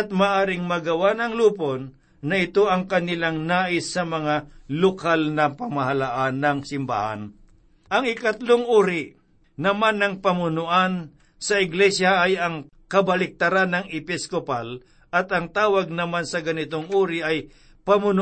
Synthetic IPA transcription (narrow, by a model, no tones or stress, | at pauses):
ɐt̪̚maːʔaːɾɪŋmɐɡɐwanɐŋluːponː | ɐɪt̪oʔɐŋkɐnɪlaŋnaːʔɪsːɐmɐŋalokalnɐpɐmɐɦɐlaʔanːɐŋsɪmba̰ːha̰n | ʔɐŋɪkɐt̪loŋʔuːɾɪ | nɐmanːɐŋpɐmʊnʊʔan | sɐɪɡlɛsjaʔːjɐŋ | kɐbɐlɪk̚t̪ɐɾanɐŋɪpɪskopal | ʔɐt̪ɐŋt̪aːwɐɡ̚nɐmansɐɡɐnɪt̪oŋʔuːɾɪʔɐj | pɐmʊn